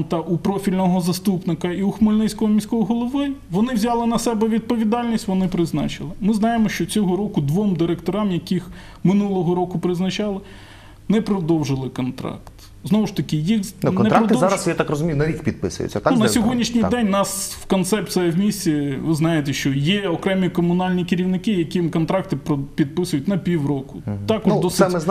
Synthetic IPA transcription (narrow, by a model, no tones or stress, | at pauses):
nt̪ɐʔupɾɔfʲilʲnɔɦɔzɐst̪upnɪkɐiuxmɔlʲnɪsʲkɔɦɔmʲisʲkɔjɔɦɔlˠɔʋɪʋɔnɪwzʲɑlˠɪnɐsɛbɛʋʲid̪̚pɔʋʲid̪ɑlʲnʲisʲtʲʋɔnɪpɾɪznɑ̰t͡ʃɪlˠɪmɪznɑjemɔʃt͡ʃɔt͡sʲɔɦɔɾɔkʊd̪ʋɔmd̪ɪɾekt̪ɔɾɑmjɐkʲix | mɪnulˠɔɦɔɾɔkʊpɾɪznɐt͡ʃɑlˠɪ | nɛpɾɔd̪ɔwʒɪlˠɪkɔnt̪ɾɑ̰kt̪ | znɔʋʊʃt̪ɐkɪjixnnɔnɛɾakdt̪zɑɾɐssjat̪akrɔzʊmʲijʊnɐɾʲikpʲid̪̚pɪ̰sʊ̰jʊ̰t͡sʲːɐt̪nɐssʲɔɦɔdʲnʲiʃnʲijd̪ɛnʲnɑswkɔnt̪sɛpt̪sɛɛwmʲisʲt͡sʲiʋɪznɑjet̪̬ɛʃt͡ʃɔjɛɔkɾɛmʲikɔmʊnɑlʲnʲikɪɾʲiwnɪkɪjɐkimkɔnt̪ɾɑk̚t̪ɪpɾɔpʲid̪̚pɪsʊjʉtʲnɐpʲiwɾɔkʊt̪ɑk̪d̪ɔsɛmɪ